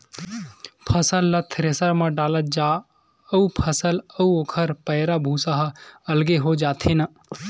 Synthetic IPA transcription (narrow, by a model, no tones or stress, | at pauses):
pʰɐsəlːɐt̪ʰɾesəɾmə̃ɖaːlət̪̚d͡ʒaː | əupʰəsələuoːkʰəɾpəɦɪɾabʱuːsaɦɐlɡeɦod͡ʒaːt̪ʰenɐ